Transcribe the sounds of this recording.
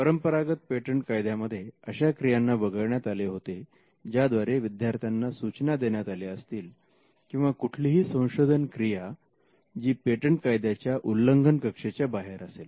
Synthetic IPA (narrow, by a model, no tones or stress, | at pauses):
pəɾəmpəɾaɡət̪̚peʈəɳʈkajd̪ʱjaməd̪ʱːjeəɕakɾijanːabəɡəɭɳjat̪aleɦot̪e | d͡ʑad̪ʋaɾeʋid̪ʱjaɾt̪ʰjanːasut͡ɕnad̪eɳjat̪aleəst̪iːl | kĩw̃ʋakuʈʰliɦiːsə̃w̃ɕod̪ʱənkɾija | d͡ʑiːpeʈəɳʈkajd̪jat͡ɕjaʔulːəŋɡʱənkəkʂet͡ɕjabaɦeɾasel